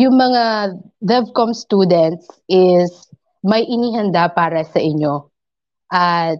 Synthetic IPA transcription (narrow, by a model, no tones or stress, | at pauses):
jʊŋmɐŋa | ðɛvkomst̪uːd̪ɛnt̪̚sɪs | mɐjʔɪniɦɐnd̪apaːɾɐsɐʔɪɲːo | ʔɐt̪̚